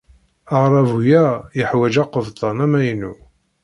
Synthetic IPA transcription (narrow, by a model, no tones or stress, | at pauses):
əʁɾˤɑvujæjəħwæd͡ʒɑqəvt̪ˤɑnæmæjnṵ